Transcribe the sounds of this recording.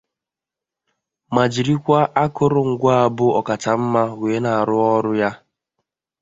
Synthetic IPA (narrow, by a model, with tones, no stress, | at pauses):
ma˨d͡ʒi˨ɾi˦kʷa˦ʔa˦kʊ˦ɾʊ˦˨ŋ̩˨ɡʷa˦a˨bʊ˦ɔ˨ka˨t͡ʃa˨m̩˦ma˦˨we˨˦na˨a˨ɾʊ˦ɔ˦ɾʊ˦ja˦